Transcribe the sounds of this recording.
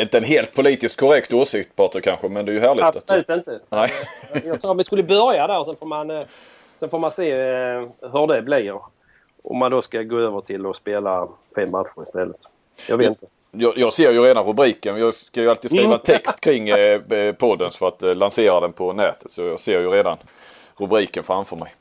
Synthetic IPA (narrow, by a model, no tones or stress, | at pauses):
ɪnt̪əɛnɦeːlt̪̚pʰʊliːt̪ɪst̪̚kʰʊɾɛkt̪oːsɪkt̪̚pʰɑt̪əkʰanɧəmɛnd̪ɛːjɵɦæːɾɭɪat̪ʉːt̪ɪnt̪ənɛɪjɑt̪ɾuːɾmɪskɵlːəbœɾjad̪æɾsɛnfoːman | sɛnfoːɾmanseː | ɦɵd̪ɛbliɾ | ʔɔ̰mːand̪ɔskaɡoːøːvəʈʰɪlːɔspeːla | fɛmːat̪ɧʊɾɪst̪ɛlːət̪ | jɑ̰ɡveːt̪ɪnt̪ə | jɑːjɑːɡseːɾjɵɾeːd̪anɾɵbɾiːkənjɑːkajɵalt̪iːd̪sɾiːvaɛnt̪ʰɛkst̪kʰɾɪŋːpʰɔd̪ːənfœɾat̪lanseːɾad̪ɛnpʰɔnɛːt̪ʰə̥t̪sɔjɑːɡseːɾjɵɾeːd̪an | ɾɵbɾiːkənfɾamfœɾmɛj